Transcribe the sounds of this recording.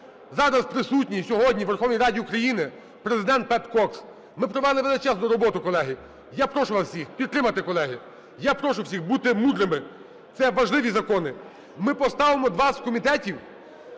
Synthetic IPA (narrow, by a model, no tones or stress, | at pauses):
zɑɾɐspɾɪsutʲnʲisʲɔɦɔdʲnʲiʋerxɔwnʲijɾɑdʲiukɾɐjinɪ | pɾezɪd̪ɛnt̪̚pɛpkɔks | mɪpɾɔʋɛlˠɪʋelˠɪt͡ʃɛznʊɾɔbɔt̪ʊkɔlˠɛɦɪ | japɾɔʃʊʋɑswsʲixpʲid̪t̪ːɾɪmɐt̪ɪkɔlˠɛɦɪ | japɾɔʃʊwsʲixbut̪ɪmud̪ɾɪmɪ | t̪sɛʋɐʒlˠɪʋʲizɐkɔnɪ | mɪpɔst̪ɑʋemɔd̪ʋɑskɔmʲit̪ɛtʲiw